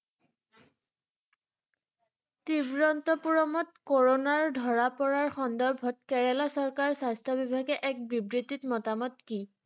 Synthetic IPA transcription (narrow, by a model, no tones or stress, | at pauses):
tibɹɔntɔpuɹɔmɔtkoɹonaɹdʱɔɹapɔɹaɹxɔndɔɹbʱɔtkɛɹɛlasɔɹkaɹsajstʰɔbibʱaɡɛʔɛk̚bibɹititmɔtamɔt̚ki